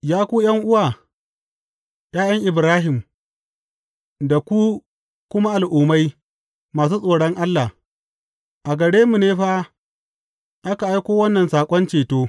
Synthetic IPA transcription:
jaː˦kʷuː˦jɐ˦ŋʔʊ˦waː˨ | j̰aː˦j̰ɐ˦ŋʔɪ˨bɾaː˦ɦɪ˨m | da˨kʷu˦ | kʷʊ˦ma˦ʔa˨lʔuː˨ma˦j | maː˨s̬uː˦sʼoː˨ɽɔ˦ŋʔa˦lːa˨ | ʔa˨ɡɐ˨ɽeː˦mu˨neː˦ɸa˦ | ʔa˦ka˨ʔa˦jkʷoː˦wɐ˦nːɐ˨nsaː˨kʷʼɔ˦nt͡ʃeː˨toː˦

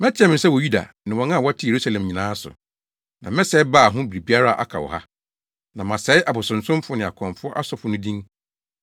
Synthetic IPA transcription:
mɛ̃˦t͡ɕʰɛ̃˦mɪ̃˨sɛ˦wɔ˨ju˦da̰˨nɪ̃˨wɔ̃˨ŋã˦˨wɔ˦tʰɪ˦je˨ɾu˦sa˦lɛ̃˨mɲĩ˨nãː˨˦sʊ̰˨ | nã˨mɛ̃˦sɛ˦baː˦˨ɦʊ̃˦bi˨ɾi˨bi˦a˦ɾa˦˨ʔa̰˦kʰa̰˨wɔ̰˨ha̰˦ | nã˨mã˨sɛ˨˦ɪ˦ʔa˨bʊ˨sʊ̃˨n̩˨sʊ̃˦m˦fʊ˦nɪ̃˨a˨kʰɔ̃˨mfʊ˦ɔ˦ʔa˦sɔ˨fʊ˦nʊ̃˦dĩ˦ŋ

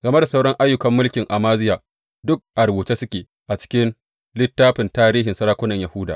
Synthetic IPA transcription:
ɡɐ˨me˦da˨sa˦wɽɔ˦ŋʔa˦jːʊ˨kɐ˨mːʊ˦lkʲɪ˨ŋʔa˨maː˦zɪ˦jaː˨ | dʊ˦k̚ʔa˨ɾbuː˨t͡ʃeː˦sʊ˦kʲeː˨ | ʔa˨t͡ʃɪ̥˦kʲɪ˦n | lɪ˦tːaː˦ɸɪ˨ntaː˦ɾiː˦ɦɪ˨nsɐ˦ɾaː˦kʷʊ˦nɐ˨ɲja˨hʊ˦da̰ː˨

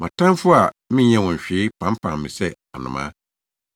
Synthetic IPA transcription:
mã˨tʰã˦m˦fʊ˦a˨mɪ̃˦ɲɛ̃˦wɔ̃˨ɕᶣɪː˨˦pʰã˨˦m˦pʰã˨mːɪ̰̃˨sɛ˦a˨nʊ̰̃˨mã̰˦

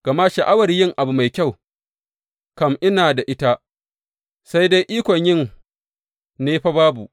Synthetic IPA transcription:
ɡ̥ɐ˨ma˦ʃa˨ʔa˦wɐ˨rjɪ˦ŋʔa˨bu˨ma˨jkʲa˦˨w | kɐ˦˨mʔɪ˦naː˨da˨ʔɪ˦ta˦ | sa˦jda˦jʔiː˦kʷɔ˨ɲjɪ˦˨ŋ | neː˦ɸa˦baː˦bu˨ʔ

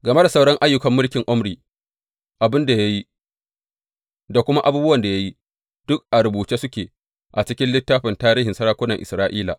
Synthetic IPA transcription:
ɡɐ˨me˦da˨sa˦wɽɔ˦ŋʔa˦jːʊ˦kɐ˨mːʊ˦lkʲɪ˨ŋʔʊ˦mɽiː˨ | ʔa˨bɪ˦nda˨ja˦ji˦ | da˨kʷʊ˦ma˦ʔa˦buː˦bʊ˦wɐ˨nda˨ja˦ji˦ | d̥ʊ˦k̚ʔa˨ɽʊ˨buː˨t͡ʃeː˦sʊ˦kʲeː˨ | ʔa˨t͡ʃɪ˦kʲɪ˦nlɪ˦tːaː˦ɸɪ˨ntaː˦ɾiː˦ɦɪ˨nsɐ˦ɽaː˦kʷʊ˦nɐ˨ŋʔɪ̰˨sɾaː˦ʔiː˦la̰ː˨

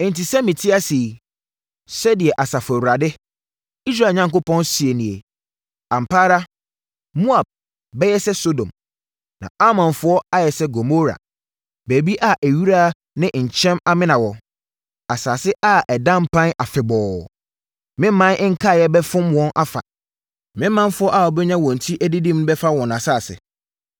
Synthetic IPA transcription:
ɛ̃˨n˨ti˨sɛ˦mĩ˨tʰi˦a˦si˨ | sɛ˦dɪ˨ɛ˨ʔa˨sa˨fʊ˨æ˨wu˨ɾa˨dɪ˦ | i˦s̬ɾa˦˨ɲã˨ŋko˦pʰɔ̃˦nsi˨e˨nĩ˨e˨ | a˨m̩˨pʰaː˦ɾa˦ | mũ˦a˨b̚ | bɛ˦jɛ˦sɛ˦so˦dõ̰˨m | nã̰˨a˦mɔ̃˨nfʊ˦ɔ˦a˦jɛ˨sɛ˦ɡo˨mo˦ɾa̰˨ | be˨bi˦ʔa˦ʔæ˨ɥu˦ɾa˦˨ | nɪ̃˦ɲ̩˨t͡ɕʰɛ̃˦ma˦mɪ̃˦nã˨wɔ˨ | a˨saː˨sɪ˦ʔa˦ʔɛ˨dã˦m˦pʰã˦na˨fɪ˨bɔː˨ | mɪ̃˦m˦mã˦n˦ŋ̩˦kʰa˦˨jɛ˦bɛ˦fʊ̃˦mwɔ̃˦nʔa˦fa̰˨ | mɪ̃˦mã˦n˦fʊ˦ɔ˦ʔa˨ɔ˨bɛ˦ɲã˦wɔ̃˨n̩˨tʰi˦ʔæ˦di˦dĩ˦m˦bɛ˦fa˦wɔ̃˨na˨saː˦˨sɪ̰˨

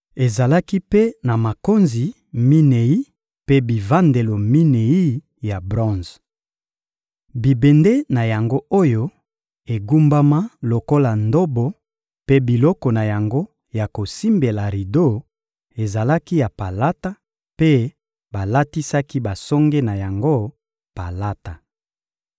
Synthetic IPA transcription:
e˨za˨la˦ki˦pe˦na˨ma˨ko˦nzi˨ | mi˦ne˨i˦ | pe˦bi˨va˦nde˨lo˨mi˦ne˨i˦ | ja˨bʁɔ̃˦nz | bi˨be˨nde˦na˨ja˨ŋɡo˦o˦jo˦ | e˨ɡu˦mba˦ma˦lo˨ko˦la˨ndo˦bo˦ | pe˦bi˨lɔ˦kɔ˨na˨ja˨ŋɡo˦ | ja˨ko˨si˦mbe˨la˨ʁi˨do˦ | e˨za˨la˦ki˦ja˨pa˨la˦ta˦ | pe˦ | ba˨la˦ti˦sa˦ki˦ba˨sɔ˦ŋɡe˦na˨ja˨ŋɡo˦ | pa˨la˦ta˨

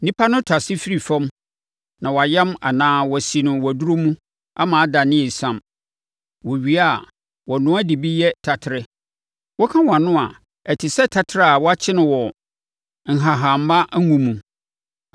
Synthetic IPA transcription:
nĩ˦pʰa˦nʊ̃˦tʰa˨sɪ˦fi˦ɾi˨fɔ̃˦m | nã˨wɔ˨a˨jɛ˦ma̰˨nãː˦wɔ˨si˨nʊ̃˨wɔ˨du˦ɾo˦mũ˦ | a˦mãː˨a˦da˨nɪ̃˦ɛ˨sã˦m | wɔ˨ɥi˨a˦˨ | wɔ˨nʊ̃˦æ˦di˨bi˦jɛ˦tʰa˨tʰɪ˨ɾɪ˦ | wɔ˦kʰã˦wa˨nʊ̃˦a̰˨ | ɛ˨tʰɪ˨sɛ˦tʰa˨tʰɪ˨ɾa˦a˨wɔ˦a˦t͡ɕʰɪ˦nɪ̃˨wɔ˨ | ŋ̩˨ɦa˨ɦa˨m̩˦ba˦ʔŋũ˦mũ˨

